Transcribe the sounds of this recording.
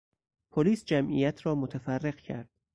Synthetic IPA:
pʰoliːsd͡ʒæmʔḭjæt̪ʰɾɒːmot̪ʰæfærːe̞ɢcʰæ̰ɾd̪̥̚

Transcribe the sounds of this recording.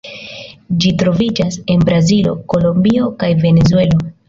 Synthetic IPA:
d͡ʒitɾo̞vid͡ʒase̞nbɾazilo̞̰ko̞lo̞mbio̞kajve̞ne̞zue̞lo̞

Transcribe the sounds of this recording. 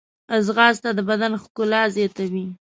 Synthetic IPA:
azɣɑzt̪ad̪əbad̪anxkʊlɑzjɑt̪awi

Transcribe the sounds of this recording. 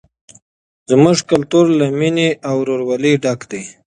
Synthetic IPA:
zmʊʐkalt̪uɾlamineawɾoɾwaliɖakd̪e

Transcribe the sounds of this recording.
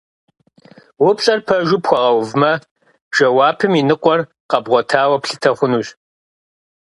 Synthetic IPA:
wʊpɕʼɐrpʰɐʒʊpxʷɔʁɐwvmɐ | ʒ̥ɐwaːpʰɨminɨqʷʼɔr | qɐbʁʷɔtʰaːwɐpɬɨtʰɐχʷʊnuːɕ

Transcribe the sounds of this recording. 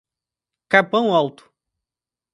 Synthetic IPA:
kapɐ̃w̃awt̪ʊ̥

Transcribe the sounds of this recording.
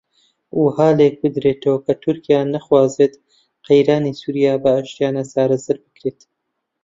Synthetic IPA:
ʔuhaːlek̚bɨd̪ɾet̪ʰɐwɐkʰɐt̪ʰʊɾkijanɐχwaːzet̪ | qejɾaːnisuːɾijaːbɐaʃt̪ijaːnasaːɾɐzɐɾbɨkɾeːt̪

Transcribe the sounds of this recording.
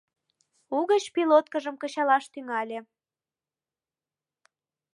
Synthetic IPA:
uɣət͡ɕpilot̪̚kəʒəmkə̆t͡ɕɑlɑʃt̪yŋɑlʲe

